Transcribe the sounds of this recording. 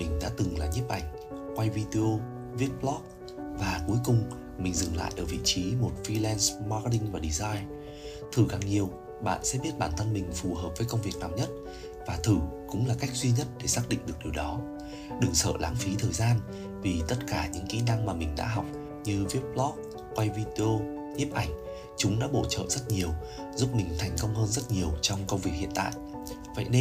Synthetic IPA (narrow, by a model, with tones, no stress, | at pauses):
mï˨˩ŋ̟ɗa̰ː˧˥t̪ɨ˨˩ŋlaː˨˩ɲi˦˥p̚ʔa˧˩jŋ̟ | kwa˧jvi˧ti˧o˧ | vi˦˥əp̚lɔ˦˥k̚ | vaː˨˩ku˨˦jkʊ˨˩ŋ͡m | mï˨˩ŋ̟zɨ˨˩ŋla̰ː˧˨jʔəː˧˩vḭ˧˨t͡ɕi˨˦mo˨˩t̚fi˧lɛ˧nsma˧kti˧ŋvaː˨˩ɗi˧zaː˧jn | t̪ʰɨ˧˩kaː˨˩ŋɲi˨˩əw | ɓa̰ː˧˨nsɛ̰˧˥ɓi˦˥ət̚ɓaː˧˩nt̪ʰə˧nmï˨˩ŋ̟fu˨˩həː˨˩p̚vəː˨˦jkə˧wŋ͡mvi˨˩ək̚naː˨˩wɲə˦˥t̚ | vaː˨˩t̪ʰɨ˧˩kʊ̰˧˥ŋ͡mlaː˨˩ka˦˥jk̚zwi˧ɲə˦˥t̚ɗe˧˩saː˦˥k̚ɗḭ̈˧˨ŋ̟ɗɨ˨˩ək̚ɗi˨˩wɗɔ˨˦ | ɗɨ˨˩ŋsə̰ː˧˨la̰ː˨˦ŋfi˨˦t̪ʰəː˨˩jzaː˧n | vi˨˩t̪ə˦˥t̚kaː˧˩ɲɨ̰˧˥ŋkḭ˧˥na˧ŋmaː˨˩mï˨˩ŋ̟ɗa̰ː˧˥ɦa˨˩wk͡p̚ | ɲɨ˧vi˦˥p̚lɔ˦˥k̚ | kwa˧jvi˧ɗi˧o˧ | ɲi˦˥p̚ʔa˧˩jŋ̟ | t͡ɕʊ˨˦ŋ͡mɗa̰ː˧˥ɓo˧˩t͡ɕə̰ː˧˨z̥ə˦˥t̚ɲi˨˩əw | zu˦˥p̚mï˨˩ŋ̟t̪ʰɛ˨˩jŋ̟kə˧wŋ͡mhəː˧nzə˦˥t̚ɲi˨˩əwt͡ɕɔ˧wŋ͡mkə˧wŋ͡mvi˨˩ək̚hḭ˧˨ənt̪a̰ː˧˨jʔ | və̰˧˨jne˧